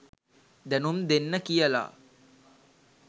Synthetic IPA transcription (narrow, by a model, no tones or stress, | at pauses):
d̪ænumd̪enːəkijəla̰